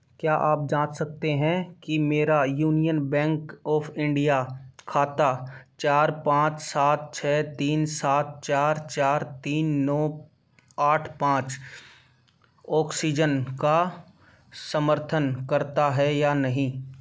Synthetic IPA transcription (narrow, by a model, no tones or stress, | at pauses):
kjaːʔaːp̚d͡ʒãːt͡ʃsɐk̚t̪eɦɛ̃kimeːɾajuːnijənbɛ̃ːŋkɔːpʰɪ̃ɳɖijakʰːaːt̪at͡ʃaːɾpãːt͡ʃsaːt̪̚t͡ʃʰɛːt̪iːnsaːt̪̚t͡ʃaːɾt͡ʃaːɾt̪iːnːɔː | aːʈʰpãːt͡ʃ | ɔːksid͡ʒənka | səməɾt̪ʰənkɐɾt̪aɦɛjanɐɦĩː